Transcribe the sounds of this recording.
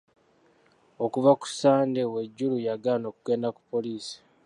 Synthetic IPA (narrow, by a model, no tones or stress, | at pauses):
o̞kuvaku̥saːndewe̞ɟːulujaɡalano̞ːkuɡe̞ːndaku̥pːo̞liːsi̥